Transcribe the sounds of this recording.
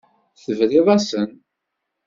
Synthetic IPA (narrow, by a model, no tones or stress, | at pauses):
θəvɾiðˤæsən